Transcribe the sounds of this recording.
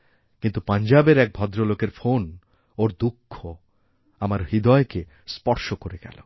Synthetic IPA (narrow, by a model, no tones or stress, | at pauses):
kint̪upaɲd͡ʑabeɾɛk̚bʱɔd̪ɾolokeɾfon | oɾd̪ukʰːo | amaɾɦid̪ɔeke | spɔɾʃokoɾeɡɛ̰lo̰